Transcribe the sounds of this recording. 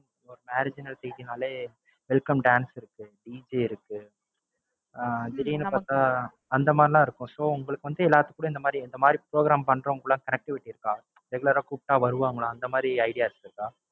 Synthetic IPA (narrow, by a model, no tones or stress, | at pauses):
ɔɾɯmaːɾɪd͡ʒɪnɐlsɛjt̪inaːleː | ʋɛlkɐmɖaːnsɪɾɯkːɯɖiːd͡ʒeɪɾɯkːɯ | d͡ʒɪɾinpaːɾt̪ãː | ɐnd̪ɐmaːd̪ɾɪlãːɪɾɯkːʊ̃soːʊŋɡɐɭɯkːɯʋɐnd̪ɯɛlːaːt̪ːɯkːuːɽɐ̃ɪnd̪ɐmaːd̪ɾiɛnd̪ɐmaːd̪ɾipɾoːɡɾaːmpɐɳːɾɐ̃ʊŋɡɭːãːkɐnɛk̚ʈɪʋɪʈːɪɪɾɯkːãː | dɛɡɐɭɐɾɐkup̚ʈːaːʋɐɾɯʋaːʊŋɡɐɭãɐnd̪ɐmaːd̪ɾiɐɪɽɪjaːɪɾɯt͡ʃːɯɾkːãː